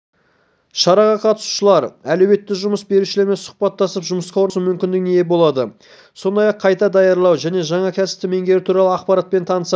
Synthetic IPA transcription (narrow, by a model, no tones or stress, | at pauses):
ʃɑɾɑʁɑqʰɑt̪ə̥su̥ʃəlˠɑɾælo̞we̞t̪ːɪʒʊməsbe̞ɾuʃɪle̞ɾme̞nsʊ̥qpɑt̪ːɑsəpʒʊməsqɑwoɾsəmʏmkʲɪnd̪ɪknejebo̞lˠɑd̪ə | so̞nd̪ɑjɑqʰːɑjt̪ɑd̪ɑjɑɾlˠɑwʒæne̞ʒɑɴɑkʲʰæsɪ̥p̚t̪ɪme̞ŋɡʲe̞ɾɪt̪ʰuɾɑlˠəɑqpɑɾat̪̚pe̞nt̪ʰɑnəsɑ